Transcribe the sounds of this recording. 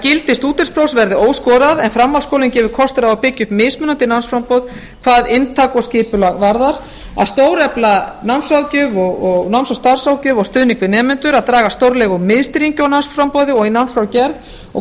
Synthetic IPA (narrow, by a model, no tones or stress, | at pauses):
cɪlt̪ɪst̪uːt̪ɪɾ̥spɾowsvɛɾðɪoːwskɔːɾaðɛnfɾamːawskoːwlɪncɛːvʏɾ̥kʰɔst̪ɪɾaawpɪcːʏmɪðsmʏnant̪ɪnansfɾampɔð | kʰvaːðɪnt̪ʰaːkɔscɪːpʏlaɣvaɾðaɾ̥ | a̰ðst̪oːwɾɛplanansawcʏvɔɣɔɣnansɔst̪aɾ̥sawcʏːvɔɣst̪ʏːðniŋkvɪnɛːmʏnt̪ʏɾaðt̪ɾaːɣast̪owɾlɛɣʏmɪðst̪ɪɾiɲcʏawnansfɾampɔðɪɔɣinansɾawcɛɾð | ɔ